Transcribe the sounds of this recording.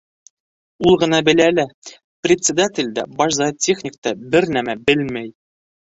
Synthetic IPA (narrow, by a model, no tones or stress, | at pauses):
ulˠʁɤ̆nɑbɘ̆lælɘ | prʲɪt̪ʲsʲɪd̪atʲɪlʲd̪æ̰bɒʃzɑtʲːexnʲɪkt̪ɑbɘɾnæmæbɘlmæj